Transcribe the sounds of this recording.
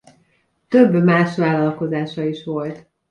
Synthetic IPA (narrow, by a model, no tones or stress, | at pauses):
t̪øbːmaːʃʋaːlːɒlko̞zaːʃɒiʃʋo̞lt̪